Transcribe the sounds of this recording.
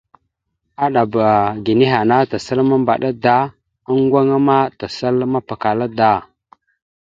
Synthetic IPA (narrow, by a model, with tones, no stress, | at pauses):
a˦ɗa˨ba˨ɡi˨ni˦ɦa˨na˦ta˨sa˦lma˦mba˨ɗa˦da˦ | a˦ŋɡʷa˦ŋa˦ma˦ta˨sa˦lma˦pa˨ka˨la˦da˦˨